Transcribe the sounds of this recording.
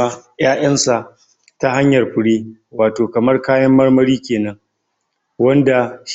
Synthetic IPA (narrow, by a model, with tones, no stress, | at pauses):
a˦j̰aː˦ʔɐ˦nsa˨ʔ | ta˦ha˦ɲjɐ˨rɸʷʊ˨ɽiː˦waː˨toː˨kɐ˨mɐ˦rkaː˦jɐ˦mːɐ˦rmɐ˦ɾiː˦kʲeː˨nɐ˦ŋ | wɐ˦nda˨ʃ